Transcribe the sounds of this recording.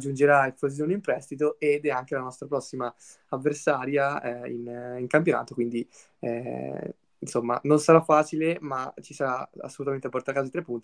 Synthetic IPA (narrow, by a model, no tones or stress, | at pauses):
d͡ʒːund͡ʒeɾaefoz̬oːnimpɾɛst̪it̪oed̪ɛaŋk̟elanɔst̪ɾapɾɔsːima | avːersaːɾjaɛḭniŋkampjona̰ːt̪okwind̪i | ɛ | nsomːa̰nonsaɾafːaːt͡ʃilemat͡ʃisaɾaa̰sːolut̪ament̪eap̬ːoɾt̪aɾakːazoit̪ɾepːunt̪